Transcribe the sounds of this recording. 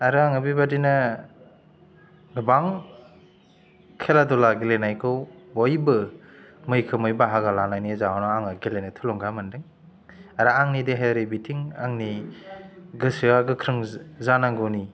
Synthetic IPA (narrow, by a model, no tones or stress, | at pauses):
aɾɯaŋɯbibadina | ɡɯbaŋ | kʰeladɔlaɡelenajkʰɯwbɔjbɯmɯjkʰɯmɯjbaɦaɡalanajnizaanɔaŋaɡelenɯtʰɯlɔŋɡamɯndɯŋ | aɾaaŋnideɦaaɾibitʰiŋaŋni | ɡɯsɯaɡɯkʰɾɯŋzanaŋɡɯwni